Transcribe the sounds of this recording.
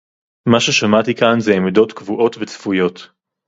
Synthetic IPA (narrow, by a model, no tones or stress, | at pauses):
maʃe̞ʃamat̪ikanzɛːmido̞tkvuʔo̞tvet͡sfujo̞t̪